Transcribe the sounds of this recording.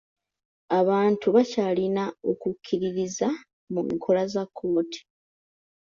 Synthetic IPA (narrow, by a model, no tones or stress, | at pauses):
aβaːntuβacalinao̞kukʰːiɾiɾiza | mumḭkʰo̞lazakʰːo̞ːti̥